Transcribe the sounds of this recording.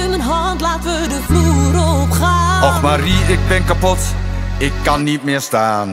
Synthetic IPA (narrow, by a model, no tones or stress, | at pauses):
ɪmənɦɑntlaːtəʋədəfluːɾopχaːɔfmariɪɡ̚bɛnkapɔt | ɪkːɑnːitmɪːɹstaːn